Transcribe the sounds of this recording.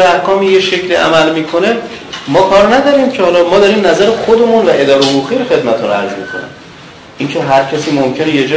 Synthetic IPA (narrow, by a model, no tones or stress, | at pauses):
æhkʰɒːmiːjeʃe̞cʰliːʔæ̰mælmiːkʰo̞ne̞ | mɒːkʰɒːɾnæd̪ɒːɾiːmcʰehɒːlɒːmɒːd̪ɒɾiːmnæzæɾexod̪e̞munvæʔe̞d̪ɒːɾehouːɣiːɾoxe̞d̪mæt̪ʰunæ̰d͡ʒbo̰kʰo̰nḭm | ʔiːncʰe̞ɦæɾcʰæsiːmomcʰe̞nejed͡ʒː